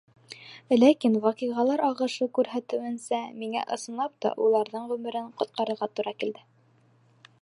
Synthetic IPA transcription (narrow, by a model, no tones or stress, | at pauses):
lækinwɑqiʁɑlˠɑɾɑʁɤ̆ʃɤkʉɾɦæt̪ɘ̆wɘ̆nsæmiŋæ̰ʔɤ̆sɤ̆nlˠɑp̚t̪ɑ̰ʔulˠɑɾðɤɴʁʉmɘ̆ɾɘɴqŏt̪̚qɑɾɤ̆ɾʁɑt̪uɾɑkild̪ɘ